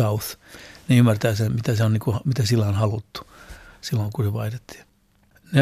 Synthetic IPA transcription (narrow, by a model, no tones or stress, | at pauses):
ɑuθneymːært̪æːsenmit̪æseonniːŋkuhɑmit̪æsilːæonhɑlut̪ːu̥silːoŋkuseʋɑit̪et̪ːi̥ | ne